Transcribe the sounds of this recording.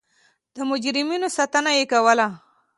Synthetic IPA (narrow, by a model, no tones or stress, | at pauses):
d̪̥əmʊd͡ʒɾɪminosat̪ənajekawəla